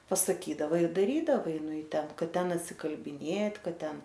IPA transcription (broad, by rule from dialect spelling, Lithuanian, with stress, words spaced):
pɐsɐˈkʲiːdɐʋɐ ɪr dɐˈrʲiːdɐʋɐɪ nʊ ɪ ˈtʲɛn ˈkɐt ˈtʲɛn ɐtʲsʲɪkɐlʲbʲɪˈnʲeːtʲ ˈkɐt ˈtʲɛn